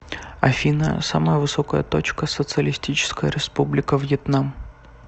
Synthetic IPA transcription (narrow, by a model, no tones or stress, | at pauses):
ɐfʲinə̰saməjəvɨsokəjət̪o̞t͡ɕkəsət̪sɨəlʲɪsʲtʲit͡ɕɪ̥skəjə̰ɾʲɪspublʲɪkəvjɛt̪nam